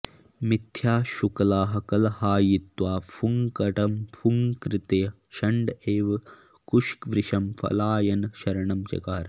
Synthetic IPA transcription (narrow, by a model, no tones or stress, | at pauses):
mit̪ʰːjaːʃukɐlaːɦɐ̆kɐlɐhaːjit̪ʋaːfʰuŋkɐʈɐmfʰuŋkɾit̪eː | ʃɐɳɖeːʋɐ | kuʃkʋɾɪʃɐmfʰɐ̰laːjɐnʃɐɾɐɳɐmt͡ʃɐ̰kaːɾ